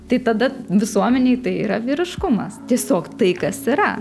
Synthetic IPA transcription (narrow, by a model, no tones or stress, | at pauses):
t̪ɐɪt̪ɐd̪ɐʋʲɪsuɔmʲɛnʲɛɪt̪ɐɪiːɾɐʋʲiːɾʲɪʃkʊmɐst̪ʲiɛsʲoːkt̪ɐɪkɐsiɾɐ